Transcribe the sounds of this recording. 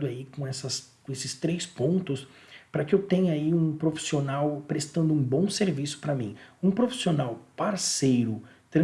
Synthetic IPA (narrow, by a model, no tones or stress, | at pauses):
d̪ʊaikõɛsɐskõesɪst̪ɾejspõnt̪ʊs | pɾɐkɪewt̪ẽɲɐaiũpɾofi̥sionawpɾest̪ɐ̃nd̪ʊũbõw̃seɾvisʊ̥pɾɐmĩũpɾofi̥sionawpaɾsejɾʊ | t̪ɾɐ̃